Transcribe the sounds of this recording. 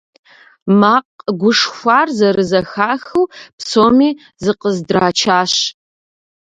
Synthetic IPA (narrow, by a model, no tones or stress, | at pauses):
maːqɡʷʊʂxʷɑːrzɐɾɨzɐxaːxɨwpsoːmiː | zɨqəzdraːt͡ʃʰaːɕ